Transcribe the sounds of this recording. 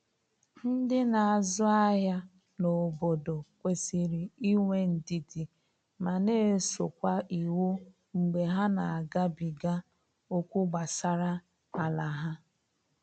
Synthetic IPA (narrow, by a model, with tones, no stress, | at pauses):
n̩˦dɪ˦na˨a˨zʊ˦a˦ɦa˦ | no˨bo˨do˨kʷe˨si˦ɾi˨i˦ŋʷe˦n̩˨di˨di˨ | ma˨neː˦so˨kʷa˦ʔi˨wu˦ | ŋ͡m̩˨ɡ͡be˨ɦa˦na˨a˨ɡa˦bi˨ɡa˦ | o˦kʷu˦ɡ͡ba˨sa˦ɾa˦ | a˨la˨ɦa˦